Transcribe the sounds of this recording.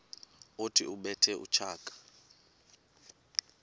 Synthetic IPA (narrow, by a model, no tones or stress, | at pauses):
otʰiuɓɛtʰɛʔṵt͡ʃʰaːkʼḁ